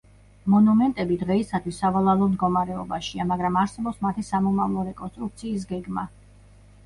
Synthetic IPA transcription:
mɔnumɛnt̪ʼɛbid̪ʁɛisat̪ʰwisːavalˠalˠɔmd̪ɡɔmaɾɛɔbaʃiamaɡɾamaɾsɛbɔpsmat̪ʰisamɔmavlˠɔɾɛkʼɔnst̪ʼɾuk̚t̪sʰiːs̬ɡɛɡma

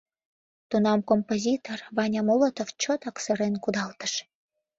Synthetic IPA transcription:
t̪unɑmkompozʲit̪orβɑnʲɑmolot̪oft͡ɕot̪ɑksəɾenkud̪ɑlt̪ə̥ʃ

